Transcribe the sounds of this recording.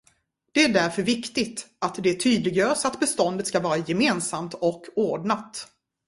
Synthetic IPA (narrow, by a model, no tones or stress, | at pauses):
d̪̥ɛæɖæɾfœɾvɪkt̪ɪt̪at̪d̪ɛæʈʰyːd̪lɪɡjœːɾʂat̪bɛst̪ɔnd̪ət̪skavɑːɾajɛmeːnsamt̪ɔkʰːoːɖɳat̪